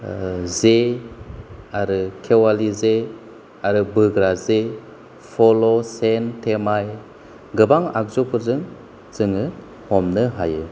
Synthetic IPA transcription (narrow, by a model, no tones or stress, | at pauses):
ze | aɾɯkʰewalize | aɾɯbɯɡɾaze | pʰɔlosentʰemaj | ɡɯbaŋa̰k̚zopʰɯɾzɯŋ | z̥ɯŋɯ | hɔmnɯɦajɯ